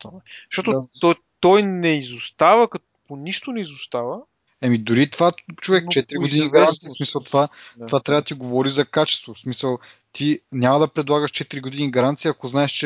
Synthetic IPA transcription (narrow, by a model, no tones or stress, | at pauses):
t̪oɛʃt̪ɔt̪ot̪ɔ | t̪ɔjnɛizʊst̪avəkɐ | poniʃt̪onɛizʊst̪avə | ɛmid̪ʊɾit̪ovat͡ʃovɛkt͡ʃɛt̪iɾiɡod̪iniɡɐɾant̪sijismisəlˠt̪ovat̪ovat̪ɾʲavɐəd̪ɐt̪iɡovɔɾizɐkat͡ʃɛ̥st̪vosmisəlˠ | t̪inʲamɐd̪ɐpɾɛd̪lˠaɡəʃt͡ʃɛt̪iɾiɡʊd̪iniɡɐɾant̪siɐkoznaɛʃt͡ʃɛ